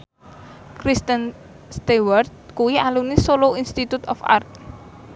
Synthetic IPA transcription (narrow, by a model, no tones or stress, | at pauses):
kɾist̪ən | st̪ewərt̪̚kuwialunisoloinst̪it̪ut̪ɔ̰fa̰rt̪̚